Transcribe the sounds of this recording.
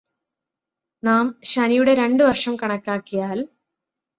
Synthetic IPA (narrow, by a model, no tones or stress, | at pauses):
naːmɕɐnijuɽe̞ɾe̞ɳɖɨʋɐrʂɐmkɐɳɐkːaːkːijaːl